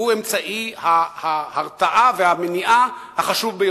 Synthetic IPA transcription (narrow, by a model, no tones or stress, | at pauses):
ue̞mt͡saʔihahahaʁt͡saʔavehameniʔahaχaʃuvbejo